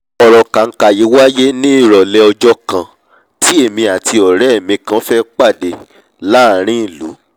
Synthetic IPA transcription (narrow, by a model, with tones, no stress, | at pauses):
ɔ˨ɾɔ˨ka˨ŋ̩˦ka˨ji˨˦wa˦je˦nĩ˦i˦˨ɾɔ˨lɛ˧ɔ˧d͡ʒɔ˦kã˨ | ti˦e˦˨mĩ˧a˨tʰi˧ɔ˨ɾɛ˨˦˨mĩ˧kã˧˦fɛ˦k͡pa˦˨de˧˨ | la˦˨ɾ̃ĩ˦˨lṵ˨˦